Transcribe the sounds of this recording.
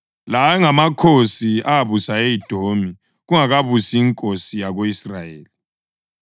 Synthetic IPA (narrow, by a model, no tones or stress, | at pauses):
lajɛŋamakʰosiaβusaejid̥ʱomi | ɣuŋaɣaβusiːŋkʼosijaɣoisrajeːli